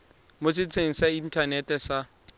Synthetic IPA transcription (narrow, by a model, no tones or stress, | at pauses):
mosɪt͡sʰeŋ̩sain̩tʰʼanɛtʼɛsa